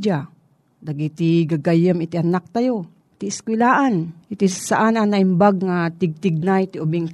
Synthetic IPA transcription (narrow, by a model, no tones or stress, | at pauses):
d͡ʒa | d̪aɡit̪iɡaɡajəmit̪iʔanak̚t̪ajo | t̪iɪskwɪlaːʔanʔit̪isaʔananaɪmbaɡ̚ŋat̪ɪɡ̚t̪ɪɡ̚najt̪iʔubiŋk